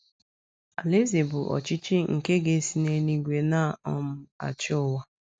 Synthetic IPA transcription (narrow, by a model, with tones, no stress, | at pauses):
a̰˨le˦ze˨bʊ˨ʔɔ̰˨t͡ʃi˦t͡ʃi˦ŋ̩˨ke˦ɡe˦si˨ne˦ni˦ɡʷe˨na˦˨ɔ˦m̩˦a̰˨t͡ʃɔ˦wa˦